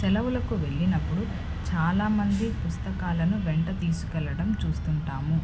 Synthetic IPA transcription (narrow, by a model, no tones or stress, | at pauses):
sɛlɐwulɐkuʋe̞ɭːinɐpːuɽu | t͡ʃaːlaːmɐnd̪ipust̪ɐkaːlɐnuʋeɳʈɐt̪iːsu̥kɛlːɐɽɐmt͡ʃuːst̪uɳʈaːmu